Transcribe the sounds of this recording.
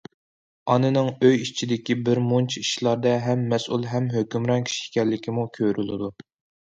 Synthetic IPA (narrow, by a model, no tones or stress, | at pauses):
ɑnɨnɨŋøjit͡ʃʰid̪ɪkʲibɪɾmont͡ʃʰiiʃlˠɑɾd̪ɑɦɛmːɛsulˠɦɛmɦøkʲymɾɑnkʲʰi̥ʃi̥kʲɛlːɪkʲʰimukʲʰøɾylˠd̪u